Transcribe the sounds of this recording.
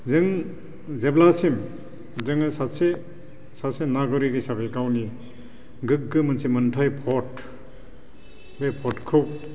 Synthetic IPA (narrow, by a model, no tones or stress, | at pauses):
zɯŋ | zeblasim | zɯŋɯsase | sasenaɡɔɾiɡɯsabekawni | ɡɯk̚ɡɯmɯnsimɐntʰajpʰɔt | bepʰɔtkʰɯk̚